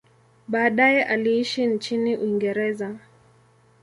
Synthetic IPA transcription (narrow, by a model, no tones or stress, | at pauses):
ɓaːɗajɛʔaliiʃint͡ʃiniʔuiŋɡɛɾɛza